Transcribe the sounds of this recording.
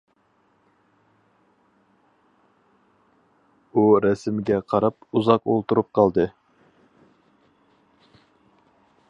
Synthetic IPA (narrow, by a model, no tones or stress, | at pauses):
uɾɛsɪmɪɡʲɛqʰɑɾɑpuzɑqolˠt̪uɾup̚qʰɑlˠd̪ɨ